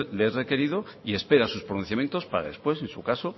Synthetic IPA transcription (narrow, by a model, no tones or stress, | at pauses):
leere̞ke̞ɾið̞oie̞spe̞ɾasuspɾonun̟θjamje̞nt̪o̞spaɾa̰ðe̞spwe̞sensukaso